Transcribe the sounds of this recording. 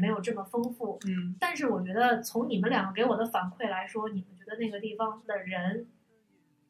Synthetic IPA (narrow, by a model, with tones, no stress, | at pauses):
me˧˥ɪjo˨˩ʊʈ͡ʂɤ˥˩mə˩fɤ˥ŋfu˥˩t̪a˥˧nʂ̬ɻ̩˥˩wɔ˨˩t͡ɕɥɛ˧˥d̪ə˧t͡sʰʊ˧˥ŋni˨˩mə˦nljɑ˨˩ŋɡə˥k̬e˧˥ɪwɔ˨˩d̪ə˦fa˧˥nkʰwe˥˩ɪla˧˥ɪʂwɔ˥ni˨˩mə˦nt͡ɕɥɛ˧˥d̪ə˧na˥˩ɡə˩t̪i˥˩fɑ˩ŋd̪ə˨ɻə˧˥n